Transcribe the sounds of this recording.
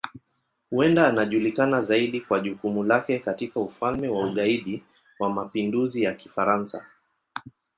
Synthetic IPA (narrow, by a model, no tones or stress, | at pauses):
huɛndaːnaʄulikanazaiɗikwaʄukumulakɛkatikaufalmɛwauɠaiɗi | wamapinduzijaki̥faɾansa̰